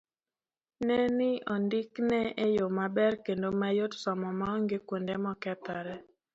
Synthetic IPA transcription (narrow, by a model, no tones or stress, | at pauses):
nɛnɪɔndɪknɛejomabɛrkendomajotsɔmɔmaɔŋɡekwondemɔkɛt̪ɔɾɛ